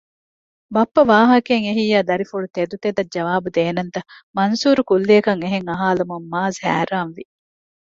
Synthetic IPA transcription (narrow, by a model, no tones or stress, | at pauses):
bɐpːɐʋaːɦɐkeŋeɦijaːd̪ɐɾifuɭut̪ed̪ut̪ed̪ɐd͡ʒɐʋaːbud̪eːnɐnt̪ɐmɐnsuːɾukulːeːkɐŋeɦeŋɐɦaːlumumːaːzhæ̰ːɾaːnʋi